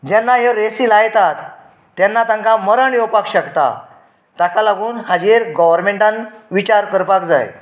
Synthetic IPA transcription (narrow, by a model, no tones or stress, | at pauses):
d͡ʑanːaɦeɾesiːlajt̪at̪ː | janːat̪ãŋkaməɾaɽ̃iopakɕəkt̪a̰ | t̪akalaɡuːnhad͡ʑeɾɡɔʋəɾmeɳʈãnʋit͡ɕaɾkəɾpakd͡za̰j